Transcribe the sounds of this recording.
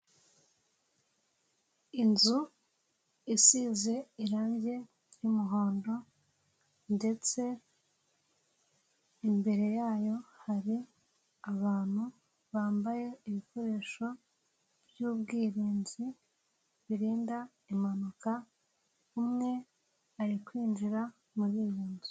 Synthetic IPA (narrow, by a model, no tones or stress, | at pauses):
inzu | isize̞iɾaːɲɟe̞ | jimuɦo̞ːndo̞ | nde̞t͡se̞ | imbe̞ɾe̞jaːjo̞haɾi | aβaːn̥hu | βaːmbaje̞iβiko̞ɾeːʃo̞ | bjuːb̚ɡiːɾiːɲzi | βiɾiːnda | imanuka | umŋe̞ | aɾikwiːnd͡ʒiɾa | muɾijuːnzi